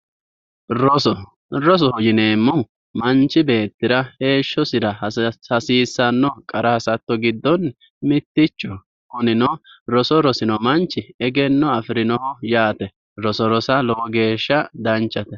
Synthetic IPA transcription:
ɾɔsɔ | ɾɔs̬ɔɔd͡ʒɪneːmːʊ | mɐnt͡ʃːɪbe̞ːt̪ːɪɾɐhe̞ːʃːɔsɪɾɐɐsiːsːɐnːɔkʼɐɾɐhɐsɐt̪ːɔɡɪd̪ːɔn | mɪt̪ːɪt͡ʃːɔ | kʊnɪnɔɾɔsɔɾɔsɪnɔmɐnt͡ʃːɪɛɡɛnːɔɐfɪɾɪnɔhɔjaːt̪ɛ | ɾɔsɔɾɔsɐlɔɡe̞ːʃːɐd̪ɐnt͡ʃːɐt̪ɛ

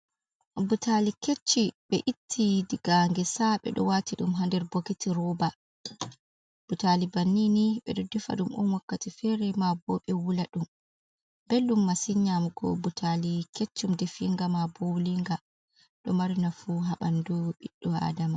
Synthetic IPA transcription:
butʰaliket͡ʃːiɓɛʔitʰːidiɡ̥aŋɡɛsaɓɛ̰ɗɔ̰watiɗumɦandɛɾbokitʰiɾɔba | b̥utalibanːiniɓɛ̰ɗɔdifa̰ɗumʔɔ̰nwakːatifɛɾɛmabɔɓɛwulaɗum | belɗumːasiɲamuɡɔ̰butʰalikʰet͡ʃːumdefiŋɡamabowliŋɡa | ɗɔmaɾinafuɦaɓa̰nduɓiɗːɔa̰dama

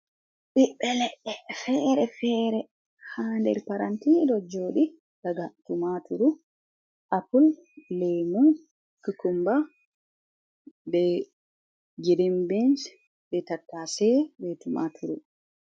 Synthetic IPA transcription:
ɓiɓːɛlɛɗːɛfɛːɾɛfɛːɾɛ | haːndɛ̰ɾpaɾantidɔd͡ʒoːɗi | daɡatumatuɾu | ʔapulːɛjmun | kukumba | bɛ | ɡiɾimbɛnd͡ʒ | bɛtatːasɛbɛtuma̰tʰuɾu

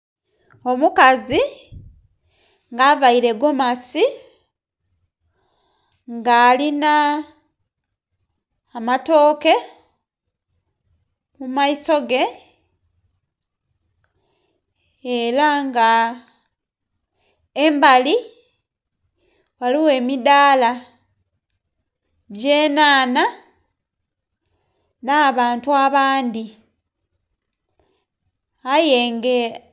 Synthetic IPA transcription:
o̞mukazi | ŋɡaβaiɾe̞ɡo̞masi | ŋɡaːlina | mato̞ːke̞ | mumaiso̞ɡe̞ | elaŋɡa | embali | waliwe̞ːmidaːla | ɟeːnaːna | naβaːntuaβaːndi | aje̞ːŋɡe

